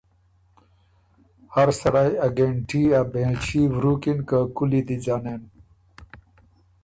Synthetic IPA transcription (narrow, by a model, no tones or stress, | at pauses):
hɐɾsɐɾajɐɡeɳʈiabẽːt͡ɕiwɾuːkinkakulid̪id͡ʑaːneːn